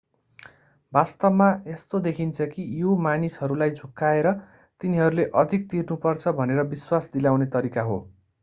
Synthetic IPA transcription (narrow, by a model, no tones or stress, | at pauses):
bast̪ʌbmaest̪od̪ekʰint͡sʰʌkijomanisɦʌɾulajd͡zʱukːaeɾʌ | t̪iniɦʌɾuleʔʌd̪ʱik̚t̪irnupʌrt͡sʰʌbʱʌneɾʌbiswasd̪ilawnet̪ʌɾikaɦo̰